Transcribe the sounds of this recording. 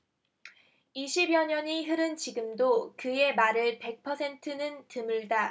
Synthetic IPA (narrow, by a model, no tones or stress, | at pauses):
iɕʰibjʌɲʌɲiɦɯɾɯnt͡ɕiɡɯmdokɯe̞maɾɯɭpe̞k̚pʰʌsʰe̞ntʰɯnɯntɯmɯɭda